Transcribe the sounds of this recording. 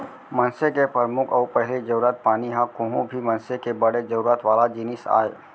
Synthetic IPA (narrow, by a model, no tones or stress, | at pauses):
mɐnsekepəɾmʊkʰɔːpɛɦled͡ʒɐɾuːɾət̪̚paːniɦãkõːɦõbʱimɐ̃nsekebɐɽed͡ʒəɾuːɾət̪ʋaːlad͡ʒinɪsa̰ːe